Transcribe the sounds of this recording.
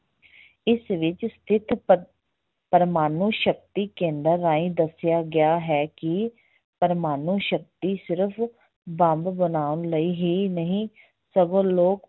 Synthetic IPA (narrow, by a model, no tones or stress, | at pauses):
ɪsʋɪt͡ʃst̪ʰɪt̪ʰ | pəɾmaːnuːʃək̚t̪iːkẽːnd̪əɾːaːĩːd̪əsjaːɡɪjaːɦɛːkɪ | pəɾmaːnuːʃək̚t̪iːsɪɾəpʰ | bə̃mbbənaːʊnləiːɦiːnəɦĩː | səɡõːloːk